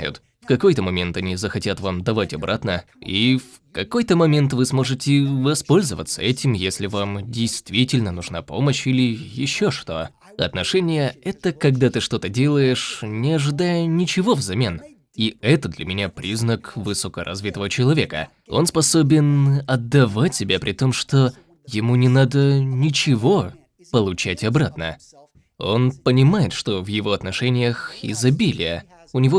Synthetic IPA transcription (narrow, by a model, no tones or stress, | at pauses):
jʊ̰t̪ | fkɐko̞jt̪əmɐmʲe̞nt̪ɐnʲizəxɐtʲat̪vamd̪ɐvatʲɐbɾʔat̪nə | if | kɐko̞jt̪əmɐmʲe̞nt̪vɨsmo̞ʐɨtʲɪvɐspo̞lʲzəvə̰t̪səɛtʲɪmjesʲlʲɪvamdʲɪjst̪vʲitʲɪlʲnənʊʐnapo̞̰məɕilʲɪjɪɕːo̞ʂt̪o̞̰ | ɐ̰t̪nɐʂɛnʲɪjəɛt̪əkɐɡd̪at̪ɨʂt̪o̞t̪ədʲe̞lˠəjɪʂnʲɪɐʐɨd̪ajənʲɪt͡ɕɪvo̞vzɐmʲe̞n | iɛt̪əd̪lʲɐ̰mʲɪnʲapɾʲiznəkvɨsokəɾʔɐ̰zvʲit̪əvət͡ɕɪlˠɐvʲe̞kə̰ | o̞̰nspɐso̞bʲɪnɐd̪ːɐvat̚ʲːɪbʲapɾʲɪt̪o̞mʂt̪o̞ | jɪmunʲɪnad̪ənʲɪt͡ɕɪvo̞ | pəlˠʊt͡ɕætʲɐbɾat̪nə̰ | o̞npənʲɪmajɪt̪ʂt̪o̞vjɪvo̞ɐt̪nɐʂɛnʲɪjəxɪ̰zɐbʲilʲɪjə̰ | ʊnʲɪvo